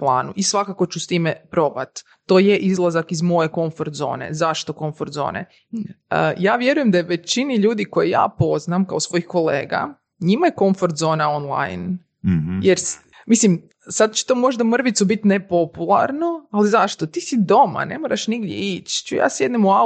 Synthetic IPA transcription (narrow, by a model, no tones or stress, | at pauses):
plˠa̰ːnuʔisʋakako̞t͡ɕust̪iːmepɾo̞bat̪ː | ojeʔizlˠazakizmo̞je̞ko̞ɱfoɾt̪zo̰ːne̞̰zaʃt̪o̞ko̞ɱfoɾt̪zo̰ːnḛ | əjaːʋje̞ɾuje̞md̪ajeʋe̞t͡ɕiniʎuːd̪iko̞jija̰ːpo̞znamkaosʋo̞jixko̞lḛːɡa̰ | ɲimaje̞ko̞ɱfo̞ɾt̪zo̞ːnaonlˠa̰jn | jeɾs | mislim | sad̪̚t͡ɕe̥t̪omo̞ʒd̪amr̩ʋit̪subit̪nepo̞pulˠa̰ɾnoalizaʃt̪o̞t̪iːsid̪o̞ma̰ne̞̰moɾaʃniɡd̪jḛit͡ʃt͡ʃuja̰ːsjed̪nimua